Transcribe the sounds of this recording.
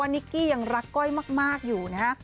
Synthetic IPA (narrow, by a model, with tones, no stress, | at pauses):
a˧nːi˦˥kːiː˥˩ja˨˩ŋɾa˦˥kːɔ˥˩jmaː˥˩k̚maː˥˩k̚juː˨˩na˦˥